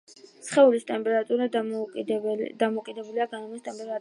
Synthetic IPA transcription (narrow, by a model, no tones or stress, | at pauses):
sχɛulist̪ʼɛmpʼɛɾat̪ʼuɾa | d̪amɔkʼid̪ɛbuliaɡanɔmist̪ʼɛmpʼɛɾa